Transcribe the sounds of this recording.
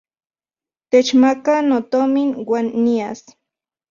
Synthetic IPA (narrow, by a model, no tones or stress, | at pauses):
t̪et͡ʃmakanot̪ominwanːias